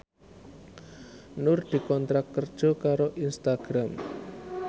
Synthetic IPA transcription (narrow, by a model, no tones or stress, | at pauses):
nʊrd̪̥i̤kɔnt̪ɾakkːərd̥ʒ̥ɔ̤kaɾoʔinst̪aɡ̥ɾam